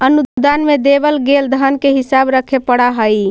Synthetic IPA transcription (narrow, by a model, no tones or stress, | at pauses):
ənud̪anmed̪ebəlɡeld̪ʱənkeɦisabɾəkʰepəɽaɦəj